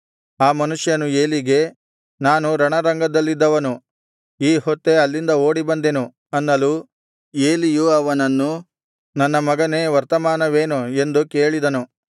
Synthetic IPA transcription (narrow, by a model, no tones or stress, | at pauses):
aːmɐnuʂjɐnue̞ːliɡe̞ | naːnuɾɐɳɐɾɐŋɡɐd̪ɐlːid̪ːɐʋɐnu | iːhot̪ːe̞ɐlːind̪ɐo̞ːɽibɐnd̪enu | ɐnːɐlu | eːlijuɐʋɐnɐnːu | nɐnːɐmɐɡɐne̞ːʋɐɾt̪ɐmaːnɐʋe̞ːnue̞nd̪uke̞ːɭid̪ɐnu